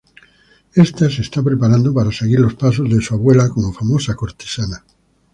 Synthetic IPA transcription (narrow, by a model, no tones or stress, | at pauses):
est̪as̬eːst̪apɾepaɾand̪opaɾaseɣiɾlo̞spas̬o̞zðesuaβwe̞lakomofamosako̞ɾt̪e̥sana